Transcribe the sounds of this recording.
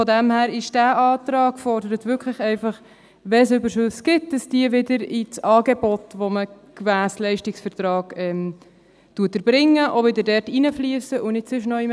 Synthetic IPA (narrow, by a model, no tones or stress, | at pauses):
fodæmhæːɾɪʃd̥æːʔɑːtɾɑːɡ̥fɔɾdəɾətvʏkʰləχɛɪfɑχ | ʋɛs̬ʏbəɾʃʉsɡ̥ɪt̚d̥ɑsd̥iəvɪdəɾɪt͡sɑːɡebɔtʋoməkvæːslɛɪʃtɪksfəɾtɾɑːɡ̥ɛm | tuːətəɾb̥ɾɪŋːəʔovɪdəɾdɛɾtinəflyːəsəʔʊnɪtsɪʃnɔim